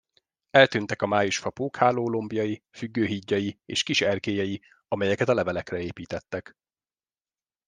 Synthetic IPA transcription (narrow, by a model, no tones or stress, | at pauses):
ɛlt̪yːnt̪ɛkɒmaːjuʃfɒpoːkhaːloːlombijɒjifyɡːøːɦiɟːɒjiḛːʃkiʃɛrkeːjɛji | ɒmɛjɛkɛt̪ɒlɛvɛlɛkrɛeːpiːt̪ɛt̪ːɛk